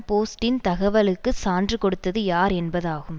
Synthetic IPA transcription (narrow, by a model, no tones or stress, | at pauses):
poːsʈɪnt̪ɐɣɐʋɐlɯkːɯsaːndrɯkɔɽɯt̪ːɐðɯjaːɾɛnbɐðaːɣɯm